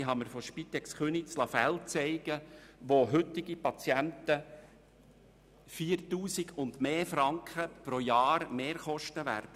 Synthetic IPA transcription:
ɪɦɑməɾfoʃpit̪ɛksχønit͡slɑfɛlt͡sɛɪɡ̥əʋoɦʏt̪iɡipɑt͡sjænt̪ə | fiːɾtuːsiɡʰʊnd̪meːfɾɑŋkχəpɾojɑːɾmeːɾχɔʃtəʋæ̰ːɾd̥ə

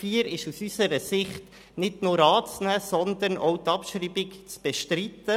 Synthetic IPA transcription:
fiːəɾɪʃusysəɾəsɪχt | nɪdnuːɾɑːt͡snæːsɔnd̪ənʔowtɑpʃɾiːbikt͡sb̥ɛʃtɾit̪ə

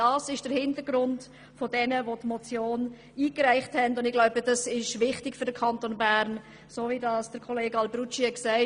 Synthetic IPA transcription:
d̥ɑːsɪʃd̥əɾhɪndəɾɡɾʊnd | fodɛnəvotmɔt͡sjoːn | iːkræɪχthɛndʊndɪɡlaʊbəd̥ɑsɪʃʋɪχtɪkfʏɾd̥əɾkʰɑntonbæɾn | soːvidɑːsd̥əɾkʰɔleːɡɑlbrut͡ʃiɛksæɪ

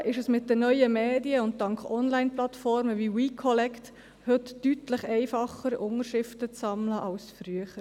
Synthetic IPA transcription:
ʔɪʃəsmɪt̚dənœʏəmeːdiəʊnt̚tɑŋkχɔnlaɪnplɑtfɔɾməʋiwiːkʰɔlɛkt | hɵtːytləχɛɪfɑχəɾʊŋəʃɾɪftət͡sːɑmləʔɑʊsfɾyəχəɾ

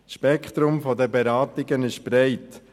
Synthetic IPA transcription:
sʃpɛkχt̪ɾʊmfɔdəbɛɾɑːtɪɡənɪʃb̥ɾɛɪt

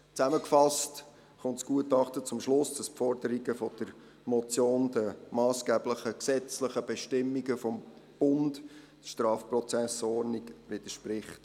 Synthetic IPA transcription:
t͡sæməkfɑst | χʊntsɡ̥uətɑχtət͡sʊmʃlʊsd̥ɑspfɔrd̥əɾiɡəfɔd̥əɾ | mɔt͡sjoːndəmɑːsɡ̥ɛːbləχəksɛt͡sləχəb̥ɛʃtɪmːiɡəfɔmb̥ʊnd | ʃtɾɑːfprɔt͡sæsɔɾniɡʋɪd̥̪əʃprɪχt

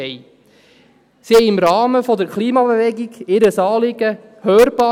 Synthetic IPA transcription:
ɛɪ | sihɛɪɪmɾɑːməfɔd̪əɾkχliːmɑbeʋɛɡiɡɪɾəsɑːlɪɡə | høːɾb̥ɑː

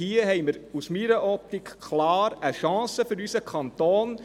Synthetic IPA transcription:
hiəhɛɪməɾusmiɾəʔɔp̚t̪ikːʰlɑːɾəʃɑ̃ːsəfʏɾysəkʰɑnt̪oːn

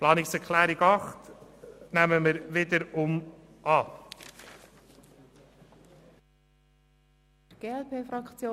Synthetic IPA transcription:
plɑːnɪksɛɾkʰlæːɾɪɡɑχtnæməmɪɾʋɪd̪əɾʊm | ɑː | ɡ̥eːɛlpʰeːfɾɑkt͡sjoː

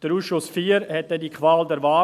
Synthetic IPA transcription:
d̥əɾuːsʃʊsfiːəɾhɛt̚d̥ɛndikʰvaːldɛɾvaː

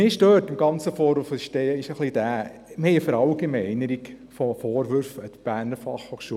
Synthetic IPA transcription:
ɪʃdøːtɪmɡɑnt͡səfɔːɾʋufəʃtɛɪʃəχlid̥æː | mɛfəɾɑlɡ̥emɛɪnəɾik | fofoːɾʋʏɾfət̪b̥æːrnəɾfɑ̰χhoːχʃuə

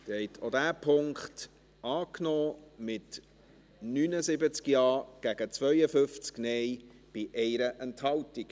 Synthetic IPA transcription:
d̥ɛɪt̪ʰodæːpʰʊŋkχt | ʔɑːknɔːmɪt | nyːnəzɪbət͡skjɑːɡ̥æɡ̥ət͡svœʏəfʏft͡sknɛɪ | b̥ɪʔɛɪɾəʔɛnthɑltik

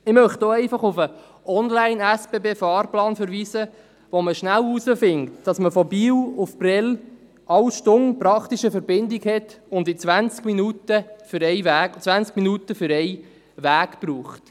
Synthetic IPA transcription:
ɪmœχtoɛɪfɑχufə | ɔnlæɪnæspeːbeːfɑːɾplɑːnfəɾʋiːsə | ʋoməʃnælusəfɪŋtd̥ɑsməfɔbiːlʊfbrɪl | ɑlʃtʊnpɾɑktiʃəfəɾbɪndɪɡhɛtʊndit͡sʋænt͡skminutəfʏɾɛɪʋæt͡sʋænt͡skminutəfʏɾɛɪ | ʋæːɡpruːχt

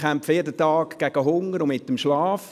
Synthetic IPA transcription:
æmfəɛdətɑːkɡ̥æɡ̥əɦʊŋəɾʊmɪt̪ːəmʃlɑːf

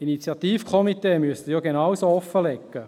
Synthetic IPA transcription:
init͡sjɑt̪iːfkʰɔmit̪eːmyəstəjɔɡenawsoɔfːəlɛkːə

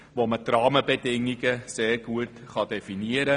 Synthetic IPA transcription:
ʋomətrɑːməbədɪŋːiɡəseːrɡ̥uətχɑdefiniəɾə

